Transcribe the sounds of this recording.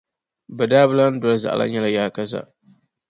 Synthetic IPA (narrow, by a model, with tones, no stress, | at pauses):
bɨ˨daː˦bɨ˦la˦n̩˦dɔ˨la˨za̰˨ʔa̰˨la̰˦ɲa˦la˨jaː˦˨ka˦za̰˨